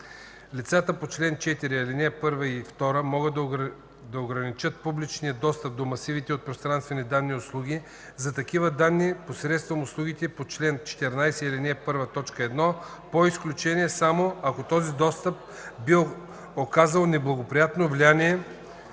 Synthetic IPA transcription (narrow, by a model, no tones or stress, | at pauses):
lʲit̪sat̪əpot͡ʃlɛnt͡ʃɛt̪iɾiilinɛpɤɾvəift̪ɔɾəmɔɡəd̪ | d̪ɐoɡɾɐnit͡ʃɤt̪̚publit͡ʃnijəd̪ɔst̪əp̚d̪omɐsivit̪ɛot̪̚pɾost̪ɾanst̪vɛnid̪anːiʊslˠuɡ̟i | zɐt̪ɐk̟ivəd̪anːiposɾɛt̪st̪vɐmʊslˠuɡit̪ɛpot͡ʃlɛnt͡ʃɛ̥t̪ɛɾnajsɛilinɛpɤɾvət̪ɔt͡ʃkəɛd̪nɔpoisklʲut͡ʃɛniɛsamoɐkot̪ɔzid̪ɔst̪əp̚ | bi | okazəlˠnɛblˠɐɡopɾijat̪novlianiɛ